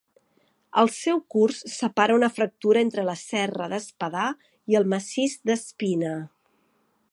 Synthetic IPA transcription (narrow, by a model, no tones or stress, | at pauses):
əlˠsɛwkursːəpaɾəunəfɾək̚t̪uɾəent̪ɾələsɛrəðəspəða | iəlˠməsizd̪əspinə